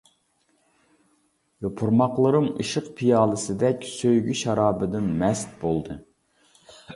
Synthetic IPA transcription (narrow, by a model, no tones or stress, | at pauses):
jɛpʰuɾmɑqlˠɨɾɨmiʃɨqpʰijɑːlˠɨsɨd̪ɛkʲsøjɡʲyʃɑɾɑːbɨd̪ɨnmɛst̪̚bolˠd̪ɨ